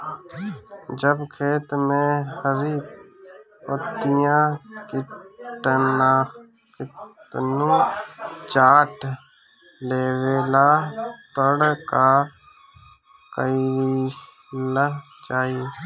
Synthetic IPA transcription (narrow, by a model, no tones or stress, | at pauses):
d͡ʒəbkʰeːt̪mẽhəɾiː | ət̪ijãkɪʈənaː | kɪt̪nũ | t͡ʃaːʈ | leːweːlat̪əɽka | kəiɾi | lə | d͡ʒaːi